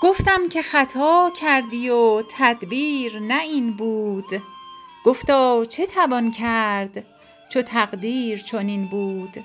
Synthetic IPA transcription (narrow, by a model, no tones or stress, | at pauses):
ɡ̥oft̪æmcʰe̞χæt̪ʰɒːcʰæɾd̪ijot̪ʰæd̪biːɾnæiːnbuːd̪̥ɡ̥oft̪ɒːt͡ʃʰe̞t̪ʰævɒːncʰæɾd̪ | t͡ʃʰot̪ʰæɣd̪iːɾt͡ʃʰoninbuːd̪̥